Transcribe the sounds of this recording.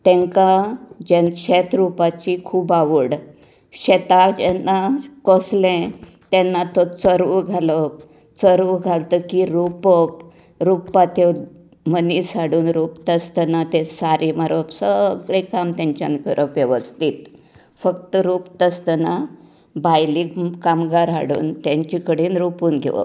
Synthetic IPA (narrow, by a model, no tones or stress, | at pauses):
t̪ɛ̃ŋkad͡ʑenɕɛt̪ɾupat͡ɕikʰuːbaʋəɽ | ɕet̪ad͡ʑɛnːakoslɛ̃ | t̪ɛnːat̪ot͡səɾʋəɡʱaləp | t͡səɾʋəɡʱalt̪əkiɾupəp | ɾupːat̪e | məniːsaɽuːnɾuːpt̪əst̪ənat̪esaɾʔimaɾəpsəɡɭekamt̪ãɲt͡ɕa̰nkəɾʔəpʋjeʋəst̪it̪ | fəkt̪əɾuːpt̪əst̪əna | bajliːkkamɡaɾɦa̰ɽṵːnt̪jãɲt͡ɕikəɽiːnɾupuːnɡʱḛʋə̰